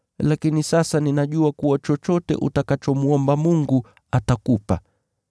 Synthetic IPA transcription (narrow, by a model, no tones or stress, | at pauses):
lakinisasaninaʄuakuwat͡ʃɔt͡ʃɔtɛ̰ʔṵtakat͡ʃɔmuɔmbamuŋɡu | atakupa